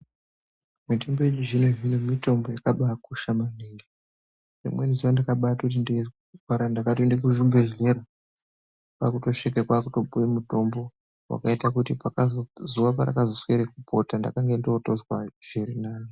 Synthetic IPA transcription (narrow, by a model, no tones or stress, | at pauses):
mitemboeɲiʐineʐinemito̞mbo̞jakaɓakuʃamaniŋɡe | ʐḭmweniziʋandakaɓatot̬inde | ɡwaɾandakatondek̬uʒumbeʐeɾo | kakuto̞ʂikekwakuto̞bujemuto̞mbo̞ | wa̰kaitakutipakazozuʋap̬aɾa̰kazosweɾek̚upʰo̞tanda̰kaŋɡe̞ndotozwaʒ̥iɾinaːno